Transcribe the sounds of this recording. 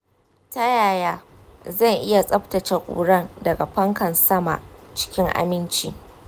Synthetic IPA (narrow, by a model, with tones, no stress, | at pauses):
tɐ˦jaː˨jaː˦ | zɐ˦˨ŋʔɪ˦ja˨sʼɐ˦ɸtɐ˨t͡ʃɐ˨kʷʼṵː˨ɽɐ˦˨ndɐ˨ɡa˨ɸɐ˦ŋkɐ˨nsɐ˦ma̰˨ʔt͡ʃɪ̥˦kʲɪ˦ŋʔa̰˦mɪ˦nt͡ʃḭː˨